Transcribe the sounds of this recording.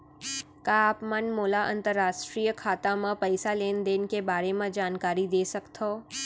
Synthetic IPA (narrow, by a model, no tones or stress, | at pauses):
kaːpmɐnmoːlaʔɐ̰̃nt̪əɾːaːʃʈɾiːjəkʰaːt̪amãpɐɪsaleːnd̪eːnkebaːɾemãd͡ʒaːnkaːɾid̪eːsɐkt̪ʰoː